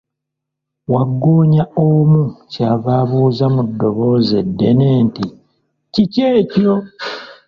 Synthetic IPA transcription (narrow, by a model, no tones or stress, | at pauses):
waɡːoːɲaomucaːβaːβuːzamudːo̞βo̞ːze̞dːe̞neːnti | ciceːco